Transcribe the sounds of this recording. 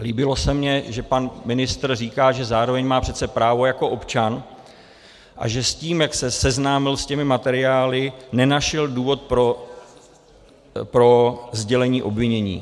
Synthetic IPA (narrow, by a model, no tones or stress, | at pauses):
liːbɪlo̞sɛmɲɛʒɛpanmɪnɪst̪rriːkaːʒɛzaːɾo̞vɛɲmaːpr̝̥ɛt̪t͡sɛpɾaːvo̞jako̞ʔo̞pt͡ʃan | ʔa̰ʒɛsciːmjaksɛsɛznaːmɪlscɛmɪmat̪ɛɾɪaːlɪnɛnaʃɛlduːvo̞t̪̚pɾo | pɾo̞zɟɛlɛɲiːʔo̞bvɪɲɛɲḭː